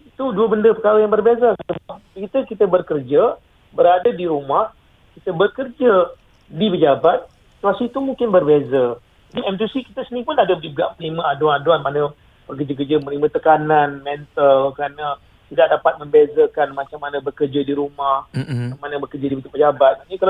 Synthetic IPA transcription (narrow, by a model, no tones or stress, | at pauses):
it̪uduəbəndəpəkaɾajaŋbərbezasəbap̚kiit̪əkit̪əbərkərd͡ʒə | bəɾadədiɾumah | kit̪əbərkərd͡ʒə | dipəd͡ʒabat̪̚ | si̥t̪uasit̪umuŋkɪnbərbezə | d͡ʒadiɛmt̪isikit̪əsənĩpʊnadədiəɡaʔməliməadwanaduanmanə̃ | b̥ərk̬ərd͡ʒək̬ərd͡ʒəmənimə̃t̪əkananmɛ̃nt̪əlkɾanə | t̪idaʔ̚dapat̪̚mə̃mbezəkanmãt͡ʃamːanə̃bərkərd͡ʒədiɾumahɲamanə̃bərkərd͡ʒədipit̪upəd͡ʒabat̪̚anikala